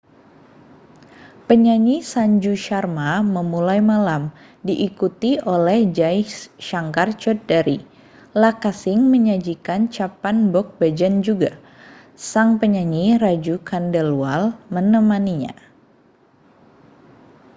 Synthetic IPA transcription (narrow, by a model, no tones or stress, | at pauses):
pəɲaɲisaɲd͡ʒuʃarmaməmulajmalam | diʔikut̪iolɛhd͡ʒajsʃaŋkart͡ʃɔt̪̚daɾi | lakasɪŋməɲad͡ʒikant͡ʃapanbɔk̚bad͡ʒand͡ʒuɡa | saŋpəɲaɲirad͡ʒukʰandəlualmənəmaniɲa̰